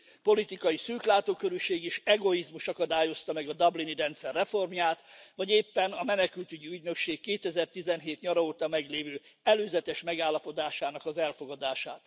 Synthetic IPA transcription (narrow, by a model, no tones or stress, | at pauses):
po̞lit̪ikɒjisyːklaːt̪oːkøɾyʃeːɡiʃɛɡo̞izmuʃɒkɒd̪aːjo̞st̪ɒmɛɡɒd̪ɒbliniɾɛnt̪sɛrːɛfo̞rmjaːt̪ʋɒɟeːpːɛnɒmɛnɛkylt̪yɟiyɟnø̞kʃeːkːeːt̪ɛzɛrt̪izɛnɦeːt̪ɲɒɾɒoːt̪ɒmɛɡleːvøːɛløːzɛt̪ɛʃmɛɡaːlːɒpo̞d̪aːʃaːnɒkɒzɛlfoɡɒd̪aːʃa̰ːt̪